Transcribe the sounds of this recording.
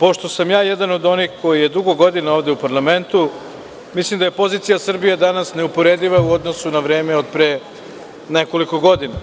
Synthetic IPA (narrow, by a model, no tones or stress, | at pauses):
po̞ʃt̪o̞samjaːjed̪ano̞d̪o̞nixko̞jije̞d̪uɡo̞ɡo̞d̪inaoʋd̪e̞upaɾlˠame̞nt̪u | mislimd̪aje̞po̞ziːt̪sijasr̩bijed̪anasne̞upo̞ɾed̪iʋauod̪nosunaʋɾeːme̞o̞d̪̚pɾe | neko̞liko̞ɡo̞d̪ina